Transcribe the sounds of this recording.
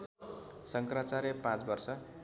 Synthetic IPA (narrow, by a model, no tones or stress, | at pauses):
sʌŋkrat͡saɾepãt͡sbʌrsʌ